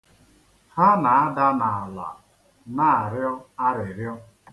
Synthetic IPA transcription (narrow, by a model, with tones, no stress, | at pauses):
ha˦na˨a˦da˦na˨a˨la̰˨ | na˦a˨ɾjɔ˦a˦ɾɪ˨ɾjɔ˦